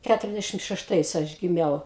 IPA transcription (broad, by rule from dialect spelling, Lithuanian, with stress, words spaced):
ˈkʲætʊrʲɛzʲˌdʲæʃʲɪm ʃʲɛʃˈtɐɪs ˈɐʃ ɡʲɪˈmʲɛʊ